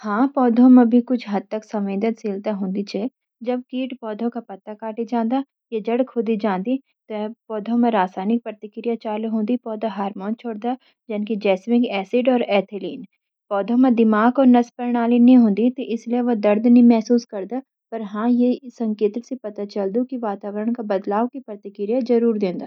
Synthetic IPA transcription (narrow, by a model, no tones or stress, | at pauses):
hãːpɔːd̪ʱõmẽbʱikʊt͡ʃʰɦɐd̪̚t̪ɐksɐ̃mẽːd̪ət̪seːlt̪aɦõːnd̪it͡ʃʰɛ | d͡ʒɐb̚kiːʈpɔːd̪ʱõkapɐt̪ːakaːʈid͡ʒãːnd̪a | jed͡ʒɐɽkʰʊd̪id͡ʒãːnd̪i | t̪opɔːd̪ʱõmẽɾaːsaːnɪk̚pɾɐt̪ɪkɾijat͡ʃaːlɦõːnd̪ipɔːd̪ʱaɦaːɾmõːnt͡ʃʰoːɽd̪a | d͡ʒɐnkid͡ʒɛːsʋɪ̃ŋɡɛːsɪɖɔːɾɛːt̪ʰɪliːn | pɔːd̪ʱõmẽd̪ɪmaːɡɔːɾnɐspɐɾɽ̃aːlinĩɦõːnd̪it̪oʔɪslieʋɐd̪ɐɾd̪nĩmɛɦsuːskɐɾd̪aː | pɐɾɦãːjesɐ̃ŋkeːt̪ɾsepɐt̪at͡ʃɐld̪ukiʋaːt̪aːʋəɾəɽ̃kabɐd̪laːʋkipɾɐt̪ɪkɾɪjazɐɾuːɾd̪ẽːnd̪aː